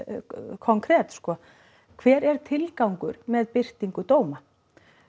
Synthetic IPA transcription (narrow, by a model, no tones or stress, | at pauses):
kʰɔŋkʰɾɛːt̪skɔ | kʰv̥ɛːɾɛɾ̥t̪ʰɪlkawŋkʏɾmɛðpɪr̥t̪iŋkʏt̪oːwma